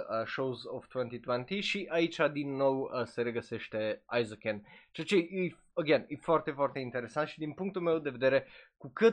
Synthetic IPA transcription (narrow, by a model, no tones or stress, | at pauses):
əʃowzovt̪went̪it̪wɛnt̪iʃiʔait͡ʃʲad̪inːo̞wəse̞ɾe̞ɡəse̞ʃt̪e̞a̰jzokent͡ʃeat͡ʃeij | əɡenefoart̪e̞foart̪e̞int̪e̞ɾe̞sant̪ʃid̪inpuŋk̚t̪ulme̞wd̪e̞ve̞d̪e̞ɾe̞kukɨt̪